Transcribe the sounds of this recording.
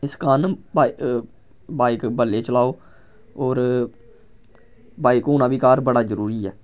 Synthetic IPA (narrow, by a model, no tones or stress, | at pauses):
ɪskaːnb | baːɪkbəlːeːt͡ʃəlaːoː | oːɾ | baːɪkoːnaːbiːkaːɾbəɽaːzəɾuːɾiːɛː